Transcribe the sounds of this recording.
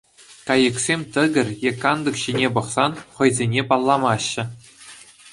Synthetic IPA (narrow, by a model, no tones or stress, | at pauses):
kɑjɤ̆ksʲemʲt̪ɘ̆ɡʲɘ̆rʲjekːɑnd̪ɤ̆kɕinʲepɤ̆χsɑnχɤ̆jzʲenʲepɑlˠːɑmɑɕːɘ̆